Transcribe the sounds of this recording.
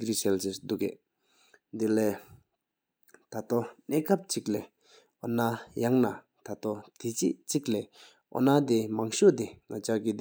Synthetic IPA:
krisɛlt͡ɕesd̪ukḛʔ | d̪ileː | t̪at̪oneːkap̚t͡ɕik̚lɛː | ɔ̰najaŋna | t̪ʰat̪ot̪ʰit͡ɕiʔt͡ɕik̚lɛː | ʔɔ̰nat̪imaŋɕot̪iŋat͡ɕaɡid̪

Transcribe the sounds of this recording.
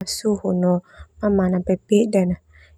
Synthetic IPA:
suhunɔmamanapepeʔdana

